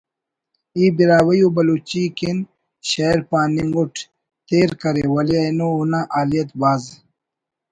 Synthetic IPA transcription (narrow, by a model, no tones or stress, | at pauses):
iːbiɾaːwɐjubɐluːt͡ɕiːkin | ɕɐeɾpaːniŋɡuʈ | t̪eːɾkɐɾewɐliɐjnounaʔaːlijɐt̪baːz